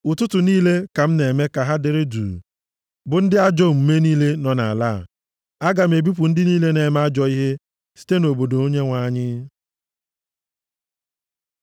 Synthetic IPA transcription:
ʊ˨tʊ˦tʊ˨niː˦le˦ka˨m̩˦ne˨me˦ka˨ɦa˦dɪ˨ɾɪ˦dṵ˨ | bʊ˨n̩˦dɪ˦a˦d͡ʒo˦˨m̩˨me˦niː˦le˦nɔ˨na̰˨la˦˨ | a˦ɡa˨m̩˨e˨bi˦p̬ʊ˨n̩˦dɪ˦niː˦le˦ne˨m˦a˦d͡ʒɔ˨i˦ɦe˦ | si̥˦te˦no˨bo˨do˨o˦ɲe˦ŋʷa˦ɲɪ˦

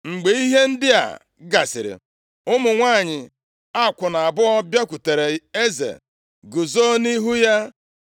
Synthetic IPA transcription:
ŋ͡m̩˨ɡ͡be˨˦i˦ɦe˦n̩˦dɪ˦a̰˨ | ɡa˨sɪ̰˨ɾɪ̰˨ | ʊ˦mʊ˨ŋʷaː˦˨ɲɪ˨ | a˦˨kʷʊ˨na˨a˨bʊ˦ɔ˦bja˦kʷu˨te˨ɾe˨e˦zḛ˨ | ɡʊ˨zo˦ni˦ɦu˦ja˦

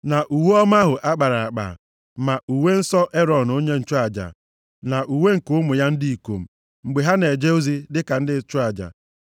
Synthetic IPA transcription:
na˨ʔu˨we˦ɔ˦m˦a˦ɦʊ˨ʔa˦k͡pa˨ɾa˨a˨k͡pa̰˨ | ma˨ʔu˨we˦n̩˦sɔ˦ʔe˦ɾɔ˨n˨o˦ɲe˦n̩˨t͡ʃʊ˦a˨d͡ʒa̰˨ | na˨ʔu˨we˦ŋ̩˨kʊ˦mʊ˨ja˦n̩˦di˦i˨ko̰˨m̩˨ | ŋ͡m̩˨ɡ͡be˨ɦa˦ne˨d͡ʒe˦o˦zi˦dɪ˦ka˨n̩˦dɪ˦t͡ʃʊ˦a˨d͡ʒa̰˨

